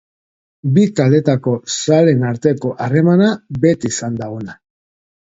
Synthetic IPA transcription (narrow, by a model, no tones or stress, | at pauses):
bikald̪e̞t̪ako̞sale̞naɾt̪e̞ko̞ʔare̞manabe̞t̪isand̪aona